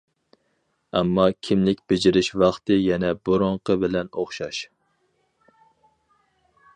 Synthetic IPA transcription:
ɛmːɑkʲʰimlɪkʲb̥ɪd͡ʒɪɾɪʃvɑχt̪ɨjɛnɛboɾoɴqəbɪlɛnoχʃɑʃ

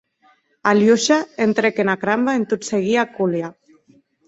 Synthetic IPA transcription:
aljuʃaent̪ɾekenakɾambaent̪ut̪seɣiakulja

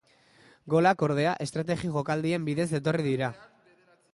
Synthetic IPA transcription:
ɡo̞lako̞ɾðe̞aʔe̞st̪ɾat̪e̞ɣiɣo̞kald̪ie̞mbiðe̞zd̪e̞t̪o̞riðiɾa

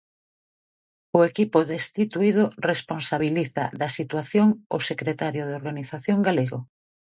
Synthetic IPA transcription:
ʊekipoðest̪it̪uiðoresponsaβ̞iliθa̰ðɐsit̪waθjoŋo̰sekɾet̪aɾjʊð̞eoɾɣaniθaθjoŋɡaleɣo

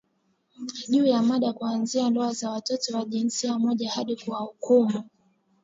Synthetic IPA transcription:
ʄuːjamaɗakuanziandɔazawatɔtɔwaʄinsiamɔʄahaɗikuwahukumu

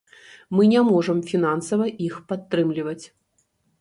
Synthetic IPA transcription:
mɨnʲɛmɔʐɐmfʲinansɐvɐʔixpat̪ːɾɨmlʲivɐt͡sʲ

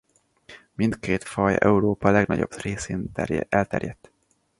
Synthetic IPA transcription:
mint̪keːt̪fɒjɛ̰uɾoːpɒlɛɡnɒ̰ɟo̞̰breːseːnɛlt̪ɛ̰rjɛt̪ː

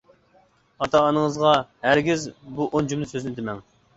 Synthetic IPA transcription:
ɑt̪ʰɑːnɨŋəzʁɑhæɾɡʲizbuʔond͡ʒumnɨsøznɪd̪ɪmɛŋ

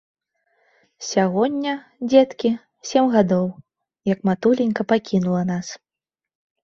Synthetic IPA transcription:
sʲaɣɔnʲːɐ | d͡zʲɛt̪kʲi | sʲemɣad̪ɔw | jɐkmat̪ulʲinʲkɐpakʲinulˠɐnas

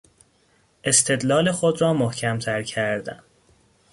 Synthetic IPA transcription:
ʔe̞st̪ʰe̞d̪lɒːle̞xod̪rɒːmohcʰæmt̪ʰæɾcʰæɾd̪æ̰n

